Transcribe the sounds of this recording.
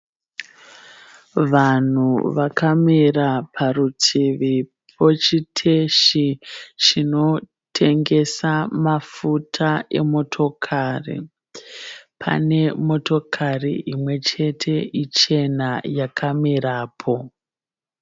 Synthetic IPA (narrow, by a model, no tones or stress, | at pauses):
ʋan̤uʋakamirapʰarutʰiʋi | po̞t͡ʃitʰe̞ʃit͡ʃino̞ | tʰe̞ŋɡe̞samafutʰaʔe̞̰mo̞tʰo̞kʰaːrḭ | pʰa̰ne̞mo̞to̞kʰarḭimwe̞t͡ʃe̞tʰe̞it͡ʃe̞najakʰamiɾaːpʰo̞